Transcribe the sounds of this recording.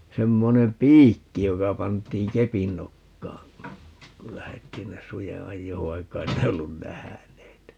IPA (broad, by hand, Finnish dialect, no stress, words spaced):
semːonem piːkːi jokɑ pɑntˑiːŋ kepin nokːɑː kul læhetːiː nːes suje ɑjːoːʋ ʋɑikːɑ ei ne olːun næhæneːt